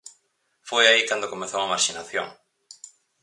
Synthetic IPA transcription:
fojaikand̪okomeθowamaɾʃinaθjo̰ŋ

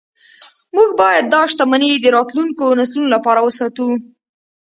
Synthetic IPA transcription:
muɡbɑjad̪̚ːɑʃt̪amaned̪əɾɑt̪luŋkonaslunolapɑɾawəsɑt̪u

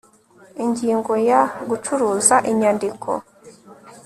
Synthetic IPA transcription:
iɲɟiːŋɡo̞jaɡut͡ʃuɾuːzaʔiɲandikʰo̞̰

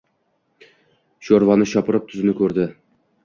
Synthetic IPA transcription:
ʃoɾvɑnɪʃɒpɨɾɨp̚t̪ʰʊzɪnɪkʲʰɵɾd̪ɪ

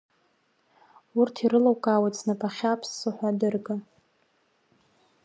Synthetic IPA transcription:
urtʰiɾɨlawkʼawat͡sʰʼnapʰʼaχʲapʰsːɨħʷadɨrɡa

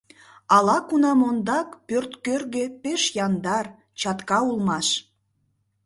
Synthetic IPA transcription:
ɑlɑkunɑmond̪ɑkpørt̪kørɣepeʃjɑnd̪ɑr | t͡ɕɑt̪kɑulˠmɑʃ

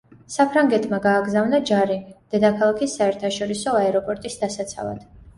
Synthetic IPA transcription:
sapʰɾaŋɡɛt̪ʰʼmaɡaːɡzavnad͡ʒaɾid̪̥ɛd̪akʰalˠakʰisːaɛɾt̪ʰaʃɔɾisɔaɛɾɔpʼɔɾt̪ʼisd̪asat̪sʰa̰lˠa̰d̪̥

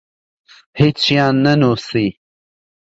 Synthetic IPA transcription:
hit͡sjɑːnːɐnoːsi

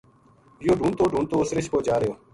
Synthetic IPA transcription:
ɪjoːɖʱũːnt̪oːɖʱuːɳt̪oːʊsɾɪʃpoːd͡ʒaːɾjoː

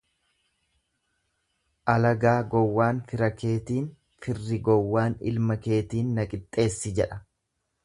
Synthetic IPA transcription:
ʔɐlɐɡaːɡɔwːaːnfɪɾɐke̞ːt̪iːn | fɪrːɪɡɔwːaːnɪ̰lmɐke̞ːt̪iːnːɐkʼɪt̪ʼːe̞ːsːɪd͡ʒɛᶑɐ̥

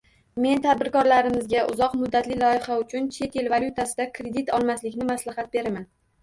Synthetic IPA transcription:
me̞nt̪ʰad̪̚bɪɾkɒɾlaɾɪmɪzɡʲaʔʊzɒqmʊd̪ːat̪lɪlɒɪχaʊt͡ʃʰʊnt͡ʃʰe̞t̪ʰe̞lvalʲjut̪ʰasɪd̪akʰɾe̞d̪it̪ʰɒlˠmaslɪkʲnɪmaslahat̪̚be̞ɾaman

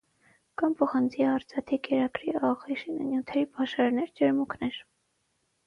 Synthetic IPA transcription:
kɑnpʰɔχɑnt͡sʰiɑɾt͡sʰɑt̪ʰikɛɾɑkɾiɑʁiʃinə̰njut̪ʰɛɾipʰɑʃɑɾnɛɾd͡ʒɛɾmuknɛɾ

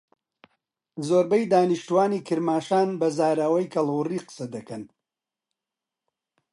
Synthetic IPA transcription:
zoːɾbɐjd̪aːnɨʃt̪uwaːniːkʰɨɾmaːʃaːnbɐzaːɾawɐjkʰɐlˠwʊriːqɨ̥sɐd̪ɐkɐn

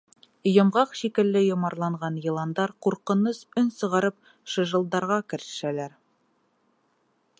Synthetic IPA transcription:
jŏmʁɑqʃikɘ̆lːɘjŏmɑɾlˠɑɴʁɑnjɤ̆lˠɑnd̪ɑɾquɾqɤ̆nɤsɵnsɤ̆ʁɑɾɤp̚ | ʃɤ̆ʒɤ̆lˠd̪ɑɾʁɑkɘ̆ɾɘ̥̆ʃælæɾ

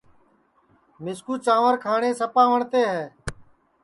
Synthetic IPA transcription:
mɪskuːt͡ʃãːʋəɾkʰaːɳeːsəpaːʋəɳt̪eːɦɛː

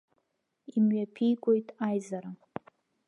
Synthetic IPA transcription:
imɥapʰijɡʷʼo̞jtʼajzaɾa

